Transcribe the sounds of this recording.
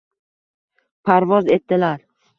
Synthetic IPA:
pʰaɾvɒze̞t̪ːɪlaɾ

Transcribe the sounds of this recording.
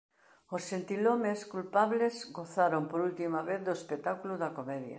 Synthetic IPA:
osːent̪ilomeskulpaβlezɡoθaɾompoɾult̪imaβeθd̪oespet̪akuluðɐkomɛðjɐ̰

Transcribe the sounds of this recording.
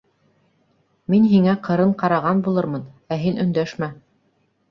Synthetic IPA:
minɦiŋæqʰɤ̆ɾɤɴqɑɾɑʁɑnbulˠɤɾmɤnæɦinɵ̆nd̪æʃmæ

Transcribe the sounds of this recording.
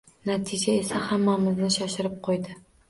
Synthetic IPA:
nat̪ʰɪd͡ʒae̞sahamːamɪznɪʃaʃɪɾɪp̚qʰojd̪ɪ

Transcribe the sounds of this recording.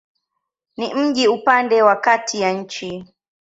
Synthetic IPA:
nim̩ʄiupandɛwakatʰijaɲ̩t͡ʃi

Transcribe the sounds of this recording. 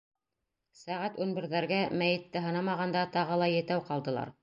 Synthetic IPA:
sæʁæt̪ʉnbɘ̆ɾðæɾɡæmæjɘ̆t̪ːɘɦɤ̆nɑmɑʁɑnd̪ɑt̪ɑʁɤlˠɑjɘ̆t̪æwqɑlˠd̪ɤ̆lˠɑ̰ɾ

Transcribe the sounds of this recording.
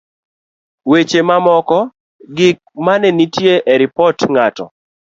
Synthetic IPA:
wet͡ʃemamɔkɔ | ɡɪk̚manɛnitjeʔeɾɪpɔtŋatɔ̰

